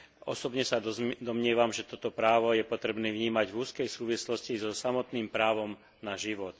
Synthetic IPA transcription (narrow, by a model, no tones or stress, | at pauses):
ɔ̰sɔbɲɛsad̪ɔmɲɪɛʋamʒɛt̪ɔt̪ɔpɾaːʋɔjɛpɔt̪ɾɛbniːvɲiːmaɟvuːskɛjsuːʋislɔscizɔsamɔt̪niːmpɾaːʋɔm | naʒiʋɔt̪